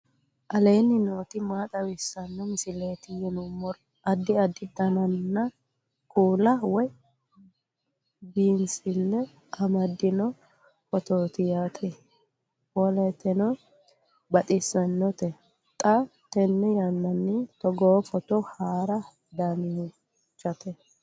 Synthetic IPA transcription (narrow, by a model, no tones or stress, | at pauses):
ʔɐleːnːɪnoːt̪ɪmaːt̪ʼɐwɪsːɐnːɔmɪsɪleːt̪ɪjɛnʊmːɔɾ | ɐd̪ːɪɐd̪ːɪd̪ɐnɐnːɐ | kʼuːlɐwɔj | biːnsɪlːɛ | ɐmɐd̪ːɪnɔ | fɔt̪oːt̪ɪjaːt̪ʼɛ | wɔlɛt̪ːɛnɔ | bɐt̪ʼɪsːɐnːɔt̪ɛ | t̪ʼɐt̪ɛnːɛjɐnːɐnːɪt̪ɔɡoːfɔt̪ɔhaːɾɐ | d̪amɪ | t͡ʃːɐt̪ʰɛ